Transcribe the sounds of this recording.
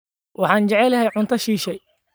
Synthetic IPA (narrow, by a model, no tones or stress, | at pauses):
wʔɑħɑːnt͡ʃɛʕɛlɐɦɛjʕʊnt̪ʰɐʃiːʃɛj